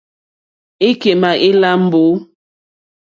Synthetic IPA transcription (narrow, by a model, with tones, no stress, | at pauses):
e˦ke˨ma˨ʔe˦la˦m̩˦bo˨˦